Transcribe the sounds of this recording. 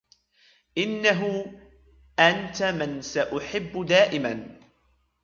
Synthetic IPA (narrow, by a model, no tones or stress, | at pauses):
ʔɪnːaɦʊ | ʔant̪amɪnsaʔʊħɪbːʊd̪aːʔɪman